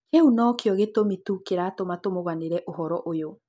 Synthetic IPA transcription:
heunɔkjɔɣetomitukeɾaːtomatomoɣaneɾɛʔoɦɔɾɔʔojo

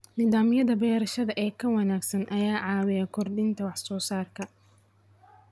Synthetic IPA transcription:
nɪðaːmɪjɐðɐbɛːɾɐʃɐðɐʔɛːkʰɐwɑnaːɡsɐnʔɐjaːʕɑːwɪjɐkʰɔrd̪ɪnt̪ʰɐwɑħsɔːsaːrkʰɐ

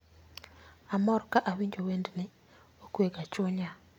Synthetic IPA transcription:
amɔrkaʔawiɲd͡ʒowendne | okeɡat͡ʃoɲa

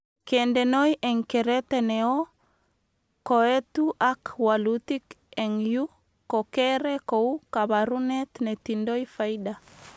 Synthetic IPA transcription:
kɛndɛnojʔɛŋkɛɾɛtenɛɔ | koɛt̪uʔakwalut̪ik | ɛŋju | kɔkɛɾɛkoukaβaɾunɛt̪nɛt̪indoifaiɗa

